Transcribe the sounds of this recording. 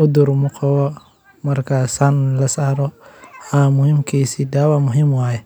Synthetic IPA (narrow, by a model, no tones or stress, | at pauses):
ʊd̪ʊrmʊqʰɑwɔ | mɐrkʰaːsaːnlɐsaːɾɔhamʊhimkʰiːsiːd̪aːwamʊɦimwaːjɛ